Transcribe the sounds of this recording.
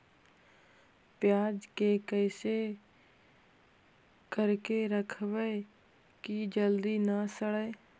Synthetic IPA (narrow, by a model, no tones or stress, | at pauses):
pjaːd͡ʒkekəɪse | kəɾkeɾəkʰwə | kid͡ʒəld̪inasəɽə